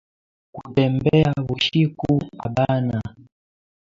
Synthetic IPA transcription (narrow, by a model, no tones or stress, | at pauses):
kutɛmbɛaβuʃikuaɓana